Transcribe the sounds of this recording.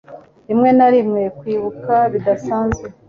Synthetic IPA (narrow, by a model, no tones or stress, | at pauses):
imŋe̞naɾimŋe̞kwiːβukaβid̪asaːnzɡe